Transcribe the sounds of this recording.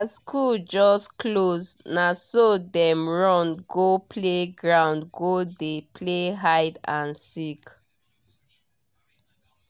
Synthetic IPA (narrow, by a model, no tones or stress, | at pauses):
askʰuld͡ʒɔsklosnasodɛ̃mɹɔ̃nɡopʰleɡɹãʊ̃ndɡodepʰleɦaɪdãnsik